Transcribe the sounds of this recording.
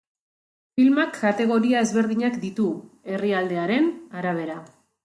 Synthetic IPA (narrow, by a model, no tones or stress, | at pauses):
filmakʰːat̪e̞ɣ̞o̞ɾiae̞zβe̞ɾðiɲakd̪it̪ue̞riald̪e̞aɾe̞naɾaβ̞e̞ɾa